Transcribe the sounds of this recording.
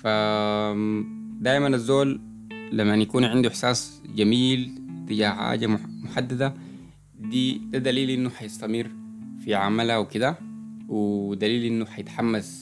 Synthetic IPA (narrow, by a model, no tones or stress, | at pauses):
fa | d̪aːjmanazːoːlː | amːanjakuːnʕɪnd̪uʔɪħsaːsd͡ʒamiːlt̪iɟaːħa̰ːɟammʊħad̪ːad̪a | d̪iːd̪ad̪aliːlʔinːuħajɪst̪amɪɾfiʕamalhawkid̪awid̪aliːlʔinːuħajɪt̪ħamːas